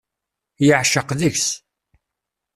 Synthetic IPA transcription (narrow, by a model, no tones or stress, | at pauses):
jəʕʃəqðəçs